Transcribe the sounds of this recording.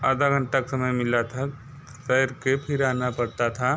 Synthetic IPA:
aːd̪ʱaɡʱə̃ɳʈaksɐməjmɪlat̪ʰa | sɛjɾkepʰɪɾaːnapɐɽt̪at̪ʰa

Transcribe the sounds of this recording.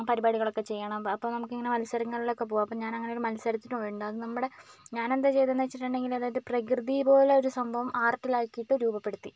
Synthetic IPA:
pɐɾibaːɽiɣɐɭo̞kːe̞t͡ɕe̞jːɐɳɐmɐpːoːnɐmukːiŋːɐne̞mɐlsɐɾɐŋːɐɭiɭokːe̞p̬oːʋɐmɐpːɐmɲaːnɐŋːɐneo̞ɾumɐlsɐɾɐt̪ːinʋeɳɖɨɐðɨnɐmːuɽe̞ɲaːne̞nd̪et͡ɕe̞jt̪enːɐt͡ɕːiʈːuɳɖe̞ŋɡilɐðaːjɐðɨprɐkrɨðijpo̞ːleo̞ɾusɐmbʱɐʋɐmʔaːrʈːilaːkːijiʈːɨɾuːbɐpːeɽut̪ːi

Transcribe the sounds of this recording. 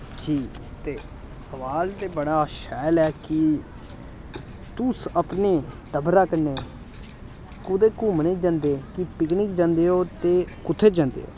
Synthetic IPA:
d͡ʒiː | t̪eː | səʋaːlt̪eːbəɽaːʃɛːlɛːkɪ | t̪ʊsəpneːd̪əbɾaːkənːeː | kʊd̪eːkuːmneːd͡ʒãːnd̪eːkɪpɪknɪkd͡ʒãːnd̪eːɦoːt̪eːkʊt̪ʰːeːd͡ʒãːnd̪ḛːɦo̰ː

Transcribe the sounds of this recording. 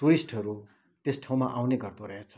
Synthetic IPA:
ʈuɾisʈʌɾu | t̪esʈʰaw̃maʔawneɡʌrt̪oɾʌɦek̚t͡sʰʌ̥

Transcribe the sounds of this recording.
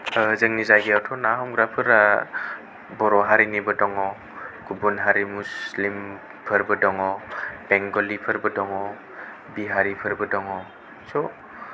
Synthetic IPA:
zəŋnizajɡiawtʰɔnaɦɔmɡɾapʰɯɾa | bɔɾɔɦaɾinibɯdɔŋɔ | ɡ̥ubunɦaɾimuslim | pʰɯɾbɯdɔŋɔb̥ɛŋɡɔlipʰɯɾbədɔŋɔ | biɦaɾipʰɯɾbɯdɔŋɔ | sɔ

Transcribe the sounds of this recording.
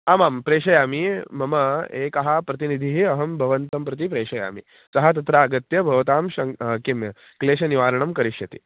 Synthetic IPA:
amaːmpɾeːʂɐjamimɐmɐekaɦapɾɐt̪̬inid̪ʱiɦiɐɦɐmbʱɐʋənt̪ɐmpɾɐt̪̬ipɾeːʂɐja̰ːmḭ | t͡sɐɦat̪̬ɐt̪ɾaːɡɐt̪jɐbʱɐʋt̪aːmɕɐŋkimjɐ | kleːɕɐniʋaːɾɳɐmkɐɾiɕɐt̪ḭː

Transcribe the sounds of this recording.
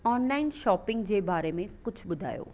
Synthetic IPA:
ɔːnlaːɪnʃɔːpɪ̃ŋɡd͡ʑeːbaːɾemẽkʊt͡ʃʰbʊd̪ʱa̰ːjo̰ː

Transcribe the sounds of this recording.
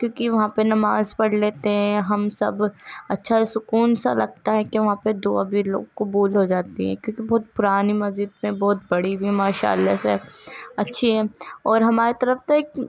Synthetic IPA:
kjõːkiʋɐɦãpenɐmaːzpɐɽ̤leːt̪eɦɛ̃ɦɐmsɐ̰bɐtːʃʰasʊkuːnsa̰lɐɡ̚t̪aɦɛkeʋɐɦãped̪oːa̰bʱilo̰ːɡkʊbuːlɦod͡ʒaːt̪iɦɛ̰̃kjõːkibɔːt̪̚pʊɾaːnimɐzd͡ʒɪd̪mẽbɔːt̪̚bɐɽibʱimaːʃa̰ːlːaseɐtːʃʰiɦɛːɔːɾɦɐmaːɾet̪ɐɾəft̪aeːk

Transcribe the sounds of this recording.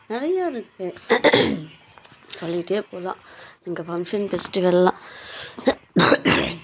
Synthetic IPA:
nɪɾɐjaːɪɾɯkːɯ | sɔlːɪʈːeːpoːlã̰ːnɪŋɡɐfɐŋʂɐnfɛsʈɪʋɐlːã

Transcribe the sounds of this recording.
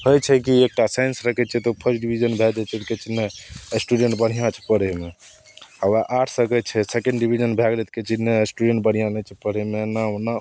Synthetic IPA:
ɦojt͡ʃʰɛkiek̚ʈasajnsɾəkʰɛt͡ʃʰɛt̪ɔpʰəɾʈɖibʱid͡ʒənbʱɛd͡ʒɛtt͡ʃ̪ɛt̪ket͡ʃinːesʈuɖẽɳʈbəɽ̤ijãt͡ʃʰɛ̥pəɽɛme | awaʔaʈʰsəkɛt͡ʃʰɛsekẽɳɖɖibʱid͡ʒənbʱɛɡlɛt̪̚ket͡ʃinːesʈuɖẽɳʈ̚bəɽ̤ijãnɛt͡ʃʰɛpəɽɛmenaona

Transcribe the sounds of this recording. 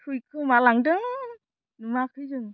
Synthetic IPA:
tʰujkʰɯmalaŋdɯŋ | nɯmakʰɯjzɯŋ

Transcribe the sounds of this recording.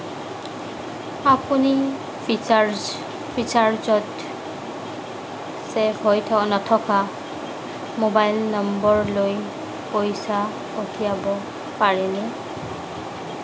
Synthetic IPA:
apuni | ɹ | pʰisaɹzɔt | sɛbojtʰɔnɔtʰɔka | mobajlnɔmbɔɹloj | pojsa | otʰijabɔ | paɹɛnɛ

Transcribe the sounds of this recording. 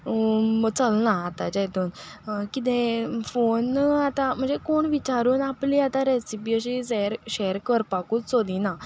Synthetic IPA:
mət͡səlnaːt̪at͡ɕajt̪uːn | kit̪ẽfonat̪am̤əɳd͡zekoɳʋit͡ɕaɾuːnapliat̪ãɾesipiəɕiseɾɕeɾkəɾpakuːt͡ssod̪ina

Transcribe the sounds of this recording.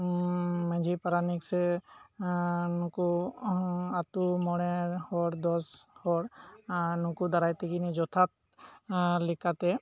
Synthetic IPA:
mə̃d͡ʒʱipaɾaniksɛ | nũku | at̪umɔɽɛhɔɾd̪ɔshɔɽ | nũkud̪aɾajt̪iɡinid͡ʒɔt̪ʰat̪̚ | likat̪ɛ

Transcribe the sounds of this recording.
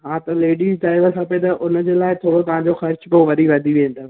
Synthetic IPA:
ɦãːt̪ɐleːɖiːzɖaːɪʋəlsãːpɐẽt̪ɐʔʊnəd͡ʑeːlaːɪt̪ʰoːɽot̪ɐɦãɲd͡ʑoxɐɾt͡ɕpoːʋɐd̪ʱiʋɐd̪ʱiʋẽːn̆d̪oː

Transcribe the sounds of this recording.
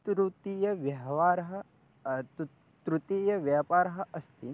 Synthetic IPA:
t̪ɾut̪iːjɐʋjɐɦɐʋaːɾɐɦɐ | t̪ | t̪ɾut̪iːjɐʋjaːpaːɾɐɦɐ̆ʔɐst̪i

